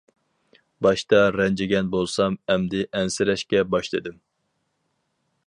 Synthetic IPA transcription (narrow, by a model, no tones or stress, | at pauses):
bɑʃt̪ɑɾɛnd͡ʒɪɡʲɛnbolˠsɑmɛmd̪ɪʔɛnsɪɾɛʃkʲɛbɑʃlˠed̪ɪm